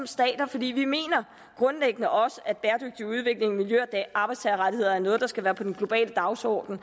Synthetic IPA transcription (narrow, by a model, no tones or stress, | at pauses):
msd̥ɛ̰ːd̥ɐfɒ̽d̥ḭːʋime̝̰ːnɐ | ɡ̥ʁɔ̽nleɡ̥ənəʔɒ̽səʔæ̥b̥eːɐd̥øɡ̥̚d̥iuð̞ˠʋe̝ɡ̥le̝ŋmiljøɐd̥ɛɑ̈ːb̥ɑ̈ɪst͡sʰɛɐʁat͡sʰihe̝ð̰ˠɐæɐnɔ̽ːð̞ˠd̥ɑsɡ̥æʋæːɐpʰɒ̽d̥enɡ̥lo̝b̥ɛ̰ːləd̥ɑ̈ʊsɒ̰ːd̥n̩